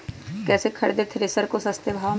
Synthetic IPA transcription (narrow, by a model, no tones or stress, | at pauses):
kɛːsekʰɐɽed̪et̪ʰɾesəɾkosɐst̪jəbʱaː